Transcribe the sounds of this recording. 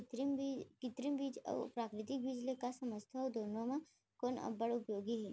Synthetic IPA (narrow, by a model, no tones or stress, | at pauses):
t̪mkɪt̪ɾimbid͡ʒə̰ʋpɾaːkɾɪt̪ik̚bid͡ʒlekasɐməd͡ʒt̪ʰaɐwd̪oːnõmã | koːnə̰bəɽʊpjoːɡiɦɛ